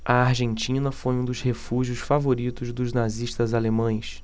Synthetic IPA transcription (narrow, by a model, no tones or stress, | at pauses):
ɐaɾʒẽnt͡ʃĩnɐfojũd̪ʊzhefuʒiʊʃfavoɾit̪ʊzd̪ʊznaziʃt̪ɐzalemɐ̃j̃s